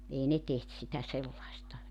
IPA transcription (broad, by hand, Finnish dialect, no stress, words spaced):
ei ne teht sitæ selːɑistɑ